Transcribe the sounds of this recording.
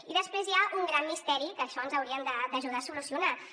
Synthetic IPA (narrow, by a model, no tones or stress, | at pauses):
iðəspɾezjauŋɡɾamːist̪ɛɾikəːʃɔənzəwɾiəmd̪əd̪əʒuðaːsulusiuna